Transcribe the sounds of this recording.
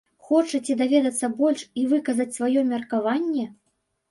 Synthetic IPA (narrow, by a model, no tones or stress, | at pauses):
xɔt͡ʂɐt͡sʲid̪avʲɛd̪ɐt̪sːɐbɔlʲʂivɨkɐzɐt͡sʲsvajɔmʲɐrkavanʲːɛ